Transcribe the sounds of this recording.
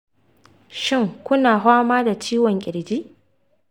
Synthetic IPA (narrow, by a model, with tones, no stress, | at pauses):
ʃɪ˦˨ŋkʷʊ˦naː˨ɦʷaː˦maː˦da˨t͡ʃiː˦wɔ˨ŋkʲʼɪ˨ɽd͡ʒiː˦ʔ